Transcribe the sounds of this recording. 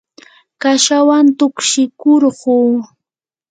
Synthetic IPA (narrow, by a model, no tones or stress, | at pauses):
kaʃawant̪ʊkʃɪkoɾɢuː